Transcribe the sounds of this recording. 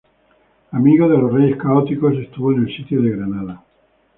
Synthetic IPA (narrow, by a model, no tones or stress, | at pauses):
amiɣ̞oð̞elosreje̞skaot̪ikose̞st̪uβoenelsit̪joðeɣɾanaða